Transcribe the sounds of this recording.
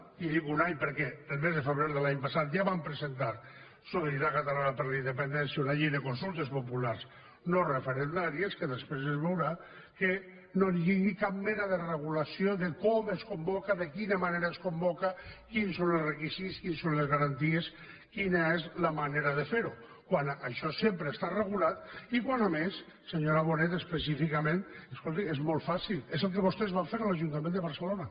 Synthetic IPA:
iðikunaɲpəɾkɛəlˠmezðəfəβɾeɾðəlaɲpasat̪̚d͡ʒaβampɾəzent̪aɾ | soðiɾakat̪alanapəɾlaind̪əpend̪ɛnsjaunaʎejðekonsulˠt̪espopulaɾs | norefeɾend̪aɾieskəðespɾezezβewɾa | ke | noniiŋikap̚mɛnaðəreɣ̞ulasioðekɔmeskombɔkaðekinamaneɾaeskombɔkakinsonelˠsrekisit̪skinsonlezɣaɾant̪ies | kinaezlamaneɾaðəfeɾu | kwanaʃɔsempɾeːst̪areɣulat̪ikwanames | seɲoɾaβ̞onet̪espəsifikamẽneskolˠt̪iezmolˠfasilˠezəlˠk̬əβost̪ezβamfeɾalaʒunt̪amẽnd̪əβɐɾsəlona

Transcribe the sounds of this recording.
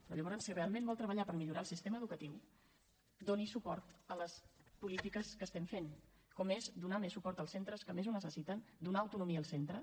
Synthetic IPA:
pɾɔ̰ʎəβɔɾənsirealˠmẽnbɔlˠt̪ɾəβəʎapəɾmiʎuɾalˠsist̪eməðukət̪iw | d̪onisupɔɾt̪ələspulit̪ikəskəst̪ɛmfen | kɔmezd̪unamesːupɔɾt̪əlˠsent̪ɾəskəmezunəsəsit̪ənd̪unaəwt̪unumiəːlˠsent̪ɾə

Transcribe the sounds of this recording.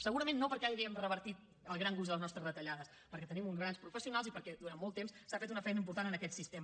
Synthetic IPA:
səɣuɾəmẽnːopəɾkɛaiðɛəmrəβəɾt̪it̪ | əlˠɣɾaŋɡuzðələznɔst̪ɾəzrət̪əʎaðəs | pəɾkɛt̪ənimunzɣɾanspɾufəsiunalˠzipəɾkɛd̪uɾanmːɔlˠt̪ːemssafet̪unəfɛjnəimp̬uɾt̪anənəkɛt̪sist̪emə

